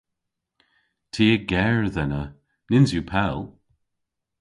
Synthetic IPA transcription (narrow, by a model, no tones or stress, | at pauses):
tʰiːəɡɛɹðɛnə | nɪnzjupʰɛlˠ